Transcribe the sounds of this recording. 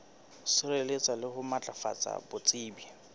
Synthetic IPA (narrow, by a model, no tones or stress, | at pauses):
sɪrelet͡sʼalɪhʊmat͡ɬʼafa̰t͡sʼa̰bʊt͡sʼiːbi